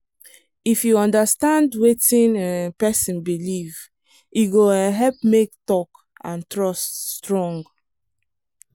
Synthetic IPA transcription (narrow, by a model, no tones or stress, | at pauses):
ifjuɔ̃ndəstãndwetĩnapɛsĩnbiliv | juɡoɦɛlp̚mek̚tɔk | ãntɹɔststɹɔ̃ŋɡ